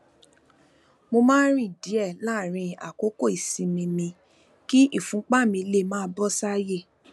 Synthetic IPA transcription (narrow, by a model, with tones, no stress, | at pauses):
mo˧mãː˦ɾĩ˦˨di˨˦ɛ˦˨la˦˨ɾ̃ĩ˧a̰˨ko˨˦ko˦˨i˨sĩ˧mĩ˧mĩ˧ | ki˦ʔi˦˨fũ˨˦k͡pa˦˨mĩ˧le˦˨mãː˦˧˦bɔ˦sa˦je˦˨